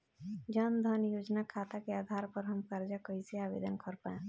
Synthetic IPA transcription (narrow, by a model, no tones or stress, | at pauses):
d͡ʒənd̪ʱənjoːd͡ʒnakʰaːt̪akeaːd̪ʱaːɾpəɾɦəmkəɾd͡ʒakoiseaːbḛːd̪ənkʰɔɾpaẽ